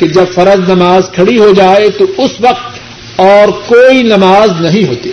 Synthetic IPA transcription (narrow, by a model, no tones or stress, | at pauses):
ked͡ʒɐbfɐɾəznɐmaːzkʰɐɽiɦod͡ʒaːet̪oʊsʋɐq̚t̪ | ɔːɾkoːinɐmaːznɐɦĩɦoːt̪eː